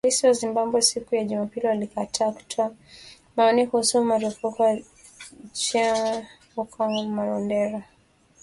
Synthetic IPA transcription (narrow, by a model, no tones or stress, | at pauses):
lisiwazimbambwɛsikujaʄumapiliwalikatʰaku̥tʰwa | maɔnikuhusumaɾufukɔ | t͡ʃa | ukʰɔŋɡɔmaɾɔndɛɾa